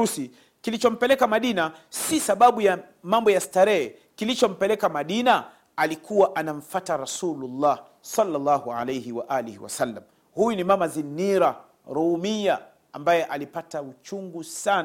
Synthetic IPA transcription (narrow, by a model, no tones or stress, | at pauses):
usi | kilit͡ʃɔm̩pɛlɛkamaɗinasisaɓaɓuja | mambɔjastaɾɛɛ | kilit͡ʃɔm̩pɛlɛkamaɗina | alikʰuwaʔanam̩fataɾasululːah | salːalːahuʕa̰lejhiwaʔaːlihiwa̰salːam | hujunimamazinːiɾa | ɾɔmija | ambajɛʔalipataut͡ʃuŋɡusan